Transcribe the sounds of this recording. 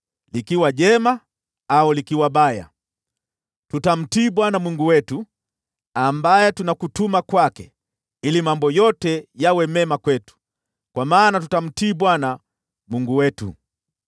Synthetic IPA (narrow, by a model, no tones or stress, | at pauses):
likiwaʄɛma | aulikiwabaja̰ | tutam̩tiːɓwanamuŋɡuwɛtu | ambajɛtunakutumakwakɛ | ilimambɔjɔtɛjawɛmɛmakwɛtu̥ | kwamaːnatutam̩tiːbwana | muŋɡuwɛtṵ